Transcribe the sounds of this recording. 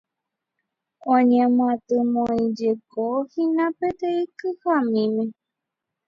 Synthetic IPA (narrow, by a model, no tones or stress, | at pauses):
õɲẽmãt̪ɨmõĩd͡ʒekohĩnãpet̪eikɨhamĩmẽ